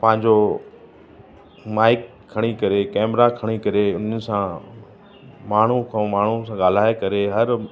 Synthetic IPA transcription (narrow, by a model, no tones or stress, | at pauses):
pɐ̃ɦɪ̃ɲ̆d͡ʑo | maːɪkʰːɐɽ̃ikɐɾekɛːmɾakʰɐɽ̃ikɐɾeʊn̤əɪ̆sã | maːɳ̤ukʰãmaːɳ̤usãɠaːl̤aːekɐɾeɦɐɾ